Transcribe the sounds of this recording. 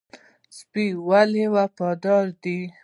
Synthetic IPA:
spiwalewapɑd̪ɑɾd̪i

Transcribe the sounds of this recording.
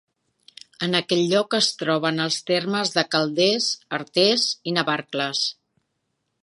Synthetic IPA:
ənəkɛʎʎɔkəst̪ɾɔβ̞ənəlˠst̪erməzðəkəlˠd̪ɛzəɾt̪ɛzinəβaɾkləs

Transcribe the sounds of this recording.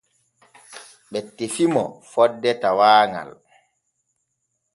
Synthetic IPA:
ɓɛtːefimɔ̰fɔdːɛtawaːŋa̰l

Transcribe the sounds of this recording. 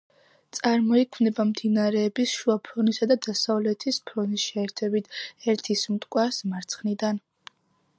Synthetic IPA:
t̪sʼaɾmɔikʰmnɛbamd̪inaɾɛːbisʃuapʰɾɔnisad̪ad̪asavlɛt̪ʰispʰɾɔnisʃɛːɾt̪ʰɛbit̪ʰɛɾt̪ʰismt̪ʼkʼwasmaɾt̪sʰχnid̪an

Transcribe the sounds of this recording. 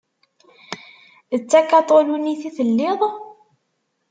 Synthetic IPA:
ðət͡sːækːɑt̪ˤoluniθiθəlːɪðˤ

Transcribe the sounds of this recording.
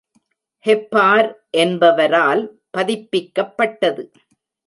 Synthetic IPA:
hɛpːaːɾʔɛnbɐʋɐɾaːl | pɐðɪpːɪkːɐpːɐʈːɐðɯ

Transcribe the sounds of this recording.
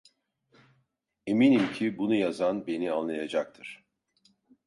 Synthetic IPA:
eminimcʰibunujazanbe̞nianlˠajad͡ʒak̚t̪ʰɯɾ̥

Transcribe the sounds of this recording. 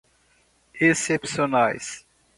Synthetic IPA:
esepsionajs

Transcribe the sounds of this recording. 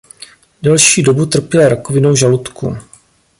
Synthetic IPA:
dɛlʃiːdo̞but̪r̩pjɛlaɾakovɪno̞wʒalut̪kʰṵ

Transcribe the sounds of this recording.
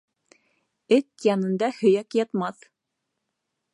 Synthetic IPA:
ɘt̪jɑnɤ̆nd̪ɑhɵ̆jækjɑt̪mɑθ

